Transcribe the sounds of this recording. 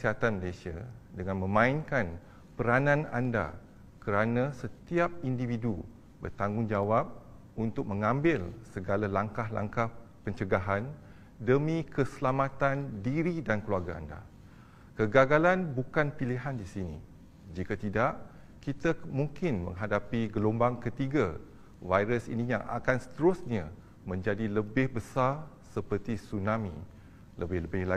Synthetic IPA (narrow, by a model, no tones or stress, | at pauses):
əsiɦat̪anməlasia̰ | dəŋãnmə̃mãinkan | pəɾanãna̰nda̰ | kəɾanãsət̪iap̚individu | bə̰rt̪aŋɡʊŋd͡ʒawap̚ | unt̪ʊk̚mə̃ŋãmbɪlsəɡalalaŋkahla̰ŋkah | pəɲt͡ʃəɡaɦan | dəmĩkəsəlamãt̪andiɾidankluarɡaa̰nda̰ | kəɡaɡalanbukanpiliɦandisinḭ | d͡ʒikat̪idaʔ | kit̪amuŋkɪnmə̰̃ŋɦadapiɡəlombaŋkət̪iɡa | vajɾəsḭnĩja̰ŋa̰kansə̥t̪əɾʊsɲã | mə̃ɲd͡ʒadiləbɪhbəsar | səpərt̪isunãmḭ̃ | ləbɪhləbɪla